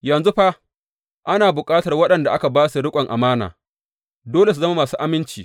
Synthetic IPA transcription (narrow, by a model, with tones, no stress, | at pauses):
jɐ˨nzu˦ɸa˦ | ʔa˦naː˨bʊ˨kʼaː˦tɐ˨rwɐ˦ɗɐ˨nda˨ʔa˦ka˨baː˦su˨ɽʊ˦kʷʼɐ˨ŋʔa˨maː˦na̰ː˨ | doː˦le˨s̬u˨zɐ˦ma˦maː˨suː˦ʔa˦mɪ˦nt͡ʃiː˨